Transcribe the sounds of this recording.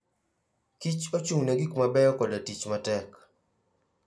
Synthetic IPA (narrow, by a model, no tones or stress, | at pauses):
kit͡ʃot͡ʃuŋneɡikmabɛjɔkɔdatit͡ʃmatɛk